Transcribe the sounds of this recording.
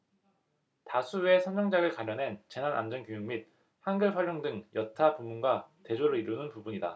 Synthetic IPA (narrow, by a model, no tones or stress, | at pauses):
tasʰue̞sʰʌnd͡ʑʌŋd͡ʑaɡɯɭkaɾjʌne̞nt͡ɕe̞nana̰nd͡ʑʌnkjojuŋmit̚ | hanɡɯɭpɸwʌɭjoŋdɯŋjʌtʰapumːunɡwate̞d͡ʑoɾoiɾunɯnpubuɲida̰